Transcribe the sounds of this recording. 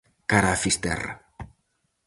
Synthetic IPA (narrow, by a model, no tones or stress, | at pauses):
kaɾafist̪ɛ̰ra̰